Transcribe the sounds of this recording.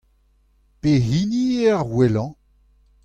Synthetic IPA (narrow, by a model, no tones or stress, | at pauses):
pehiniɛʁwɛlɑ̃